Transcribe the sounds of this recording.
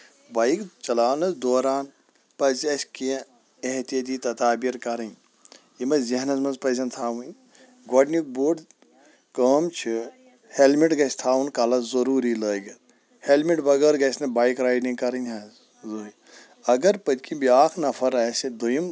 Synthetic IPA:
baːikt͡ʃɐlaːnɐzd̪oːɾaːn | pɐzʲɐsʲkiɐ̃ | eɦt̪ijɐt̪̬iːt̪ɐt̪aːbiɾkɐɾɐnʲ | jimɐziɦnɐzmɐnzpɐzʲɐnt̪ʰaːʋɐn | ɡɐɖnik̚buɖ | kəːmt͡ʃʰi | helmiʈɡɐsʲt̪ʰaːunkɐlɐzɐɾuːɾiləːɡʲɐt̪ | helmiʈbɐɡəːɾɡɐsʲnɐbaːikɾaːjɖniŋkɐɾɐnʲɦɐz | zoi | ɐɡɐɾpɐt̪ʲkĩbiaːkʰnɐfʰɐɾaːsid̪ujim

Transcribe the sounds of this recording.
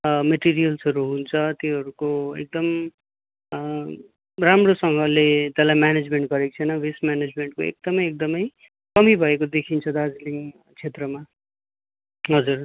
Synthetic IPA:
meʈiɾijʌlsɦʌɾuɦunt͡sʰʌt̪ĩɦʌɾukoḛk̚d̪ʌm | ramrosʌŋɡʱʌlet̪ʌlajmaned͡zmeɳʈ̚ɡʌɾek̚t͡sʰʌjnʌbʱismaned͡zmeɳʈ̚koḛk̚d̪ʌmʌjek̚d̪ʌmʌj | kʌmibʱʌekod̪ekʰint͡sʰʌd̪ad͡zliŋ | t͡sʰet̪rʌma | ɦʌd͡zur

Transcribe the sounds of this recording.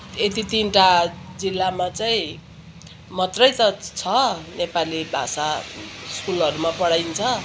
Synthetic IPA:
et̪it̪inʈad͡zilːamat͡saĩ | mʌt̪rʌjt̪ʌt͡sʰʌnepalibʱa̰saskulʌɾumapʌɽajnt͡sʰʌ

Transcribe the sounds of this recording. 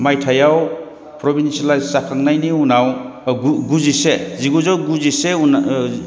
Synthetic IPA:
majtʰajaw | pʰɾɔbinsalajsakʰaŋnajniunaw | uɡuziseziɡuzɔwɡuziseun

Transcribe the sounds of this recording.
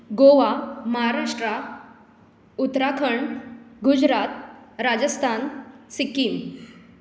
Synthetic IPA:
ɡoʋaməɦaɾaʂʈɾa | ut̪ɾakʰəɳɡud͡ʑɾat̪̚ɾad͡zəst̪ʰansikiːm

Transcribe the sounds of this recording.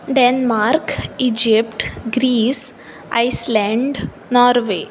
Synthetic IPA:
ɖenmaɾkid͡ʒipʈɡɾiːs | aɪslɛ̃ɳɖ | nɔːɾʋe

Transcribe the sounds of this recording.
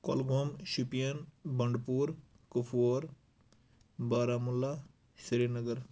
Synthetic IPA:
ko̰lɡʱoːmʃupijənbɐɳɖpuːɾ | kupʰoːɾ | baːɾaːmulːa | sɾiːɾnəɡəɾ

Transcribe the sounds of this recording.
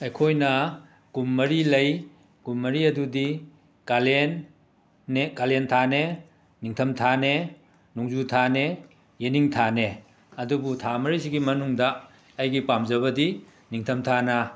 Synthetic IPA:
ɐjkʰojnɐ | kumːɐɾilɐj | kumːɐɾiɐdudi | kalenː | ekalentʰane | niŋtʰɐmtʰane | nuŋzutʰane | jeniŋtʰane | ɐdubutʰamɐɾisiɡimɐnuŋdɐː | jɡipamzɐβɐdi | niŋtʰɐmtʰanɐ

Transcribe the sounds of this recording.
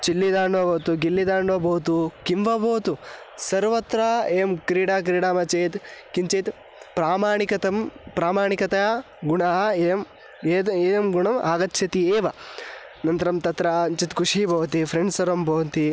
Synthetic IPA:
t͡ʃilːid̪aːɳɖʋɐboːt̪uɡilːid̪aːɳɖʋɐboːt̪ukimʋɐboːt̪u | sɐɾʋɐt̪ɾaeːmkɾiːɽaːk̬ɾiːɽaːmɐt͡ʃeːt̪kint͡ʃeːt̪ | pɾaːmaːɳikɐt̪ɐmpɾaːmaːɳikɐt̪ɐja | ɡuɳaɦɐeɐm | eːd̪eːɐmɡuɳɐmaːɡɐt̪ːʃʰɐt̪ieːʋɐ | nɐnt̪ɐɾɐmt̪ɐt̪ɾaɐnt͡ʃit̪kuʂiːbɐːʋt̪ifʰɾeɳɖsɐɾɐmbʱoːnt̪i

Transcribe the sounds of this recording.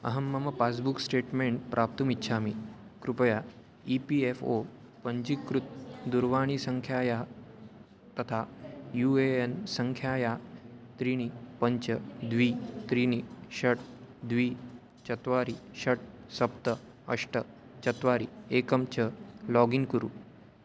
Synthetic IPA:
ə̰ɦəmːɐməpasbuksʈeʈmeɳʈ̚pɾʔap̚t̪uːmitːɕʰaːmikɾupja | ipiefo | pəɲd͡ʑikɾut̪̚d̪uɾʋaɽ̃isəŋkʰjaːja | t̪ət̪ʰajueensəŋkʰjaːjat̪ɾiñipəɲt͡ɕəd̪ʋiːt̪ɾiniɕəʈd̪ʋiː | t͡ɕət̪ʋaɾiɕəʈ̚ | səpt̪ə | əʂʈə | t͡ɕət̪ʋaɾiekəmt͡ɕəlɔɡiŋkuɾṵː

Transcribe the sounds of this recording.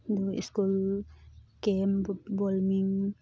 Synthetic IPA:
d̪uḭskul | kembɔlmiŋ

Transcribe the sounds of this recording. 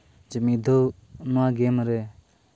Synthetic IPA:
d͡ʒəmid̪o | nuaɡemɾe

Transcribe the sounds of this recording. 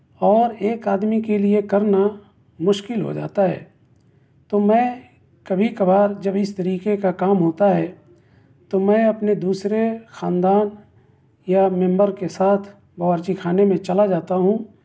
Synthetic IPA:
ɔːɾeːkaːd̪mikeliekɐɾna | mʊʃkɪlɦo̰d͡ʒa̰ːt̪aɦɛ̰ː | t̪omɛ̃ː | kɐbʱikɐbaːɾd͡ʒɐbɪst̪ɐɾiːkekakaːmɦoːt̪aɦɛː | t̪omɛ̃ːɐpned̪uːsɾexãːnd̪aːn | jamɛ̃mbəɾkesaːt̪ʰ | bɐːəɾt͡ʃikʰaːnemẽt͡ʃɐlad͡ʒaːt̪aɦũ

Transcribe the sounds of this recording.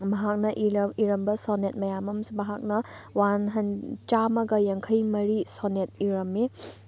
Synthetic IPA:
mɐɦak̚nɐʔiiɾɐmbɐsonet̚mɐjamɐmsmɐɦak̚nɐwanɦɐnt͡ʃamɐɡɐjɐŋkʰɐjmɐɾisonet̚iɾɐme

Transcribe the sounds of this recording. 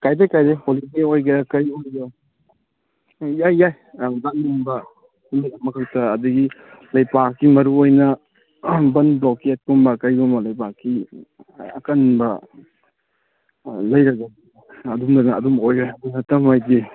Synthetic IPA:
kajdekajdejholideojɡɐkɐjojɡo | jajːaj | dannumbɐ | huniamɐkʰɐk̚tɐɐduɡilɐjpakːimɐɾuojnɐ | bɐnbloket̚kumbɐkɐjɡɔmbɐlɐjpakːi | ɐkɐnbɐ | lɐjɾɐɡɐdi | ɐdumdɐnɐɐdumojojɐdunɐtɐmajdi

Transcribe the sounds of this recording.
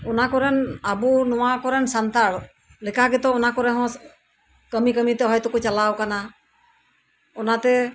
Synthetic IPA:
ɔnakɔɾɛnabunɔwakɔɾɛnsant̪aɽ | lɛkaɡɛt̪ɔ̃ɔnakɔɾɛɦɔ̃ | kəmikəmit̪ɛɦɔjt̪ɔkɔt͡ʃalawkana | ɔnat̪ɛ

